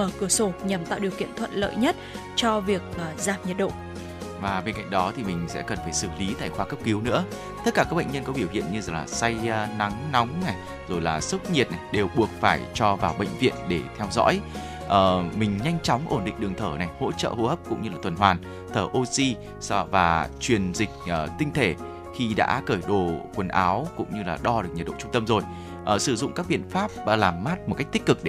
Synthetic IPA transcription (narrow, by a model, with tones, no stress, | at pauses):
ʔəː˧˩kɨ˧˩əso˧˩ɲa˨˩mt̪a̰ː˧˨wɗi˨˩əwkḭ˧˨ənt̪ʰwə̰˧˨nlə̰ː˧˨jɲə˦˥t̚ | t͡ɕɔ˧vi˨˩ək̚ːzaː˨˩mɲə˨˩t̚ɗo̰˧˨ | vaː˨˩ɓe˧nka̰˧˨jŋ̟ɗɔ˨˦t̪ʰi˨˩mï˨˩ŋ̟sɛ̰˧˥kə˨˩nfaː˧˩jsɨ˧˩li˨˦t̪a̰ː˧˨jxwaː˧kə˦˥p̚ki˨˦wnɨ̰˧˥ə | t̪ə˦˥t̚kaː˧˩kaː˦˥k̚ɓə̰˧˨ŋɲə˧nkɔ˨˦ɓi˧˩əwkḭ˧˨ənɲɨ˧zə˨˩ŋlaː˨˩sa˧jna˨˦ŋna˨˦wŋ͡mna˨˩j | zo˨˩jlaː˨˩sʊ˦˥k͡p̚ɲi˨˩ət̚na˨˩jɗe˨˩wɓu˨˩ək̚faː˧˩jt͡ɕɔ˧vaː˨˩wɓə̰˧˨ŋ̟vḭ˧˨ənɗe˧˩t̪ʰɛ˧wzɔ̰˧˥j | ʔəː˨˩mï˨˩ŋ̟ɲa˧jŋ̟t͡ɕɔ˨˦wŋ͡mʔo˧˩nɗḭ̈˧˨ŋ̟ɗɨ˨˩əŋt̪ʰəː˧˩na˨˩jho̰˧˥t͡ɕə̰ː˧˨ho̰˧˥həː˦˥p̚kʊ̰˧˥ŋ͡mɲɨ˧laː˨˩t̪ʰə˨˩nɦwaː˨˩n | t̪ʰəː˧˩ʔo˧si˧ | svaː˨˩t͡ɕwi˨˩ənzï˨˩k̟̚ʔəː˨˩t̪ï˧ŋ̟t̪ʰe˧˩ | xi˧ɗa̰ː˧˥kəː˧˩jɗo˧˨˩kwə˨˩nʔaː˨˦wkʊ̰˧˥ŋ͡mɲɨ˧laː˨˩ɗɔ˧ɗɨ˨˩ək̚ɲə˨˩t̚ɗo̰˧˨t͡ɕʊ˧ŋ͡mt̪ə˧mzo˨˩j | ʔəː˨˩sɨ˧˩zʊ̰˧˨ŋ͡mkaː˦˥k̚ɓḭ˧˨ənfaː˦˥p̚ːlaː˨˩mːaː˦˥t̚m̚˨˩ka˦˥jk̚t̪ï˦˥k̚kɨ˨˩k̚ɗe˧